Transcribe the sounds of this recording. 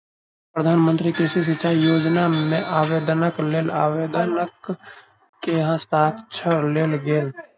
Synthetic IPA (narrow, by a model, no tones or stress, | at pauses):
pɾəd̪ʱaːnmə̃nt̪ɾikɾɪʃis̬ɪt͡ʃʰajoːd͡ʒnamẽʔaːweːd̪nəkleːlaːweːd̪ənəkː | eɦãst̪aːkt͡ʃʰəɾleːlɡeːl